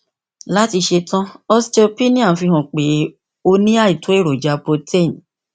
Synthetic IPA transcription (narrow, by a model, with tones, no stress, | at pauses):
la˦ti˧ʃe˧tã˦ɔ˧st͡ʃe˧o˧pi˦nĩ˦ã˦˨fi˧ɦɔ̃˨k͡pe˨˦ | o˧nĩ˦a˦˨i˨to˨˦e˦˨ɾo˨d͡ʒa˧˦po˧te˦˨n̩˨